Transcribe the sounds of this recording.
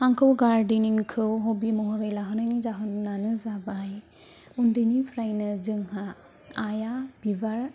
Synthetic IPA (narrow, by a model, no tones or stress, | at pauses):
haŋkʰɯwɡaɾdininkʰɯwɦɔbimɔɦɔɾɯjlaɦɯnajnizaɦɯnnanɯzabaj | undɯnipʰɾajnɯzɯŋhaː | jab̥ibaɾ